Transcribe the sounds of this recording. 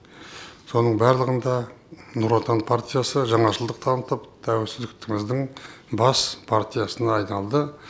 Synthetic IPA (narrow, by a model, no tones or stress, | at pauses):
so̞nəɴbæɾlˠəʁənd̪ɑnuɾot̪anpʰart̪ʲijasəʒɑɴɑʒəlˠd̪əqt̪ʰɑnət̪əpt̪ʰæwɪlsɪzd̪ɪk̚t̪ɪŋɪzd̪ɪɴbɑspʰart̪ʲijasənɑːjnɑlˠd̪ə